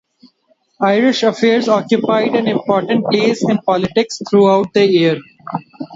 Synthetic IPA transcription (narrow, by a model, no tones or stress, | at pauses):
aɪɾɪʃəfeːɾzɔːkjʊpaɪɖɛ̃nɪ̃mpɔːɾʈə̃ɳʈ̚peːsɪ̃npɔːlɪʈɪkst̪ʰɾuːaʊʈ̚d̪əiəɾ